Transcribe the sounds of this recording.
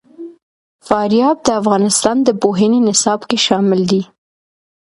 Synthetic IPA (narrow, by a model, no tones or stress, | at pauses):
fɑɾjɑb̚d̪əafɣɑnɪst̪ɑnd̪əpoɦənenɪsɑbkeʃɑmɪld̪i